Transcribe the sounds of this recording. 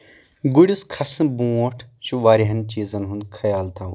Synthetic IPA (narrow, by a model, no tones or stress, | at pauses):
ɡuɽiskʰɐsɨbũːoːʈʰʃuʋaːɾiɦɐnt͡ʃiːzɐnɦũnd̪kʰɐjaːlt̪ʰa